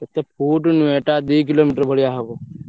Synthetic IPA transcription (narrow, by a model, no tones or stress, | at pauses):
ɐt̪epʰuːʈnʋeːʈad̪iːk̬iloːmiːʈəɾbʱəɽijaɦekoː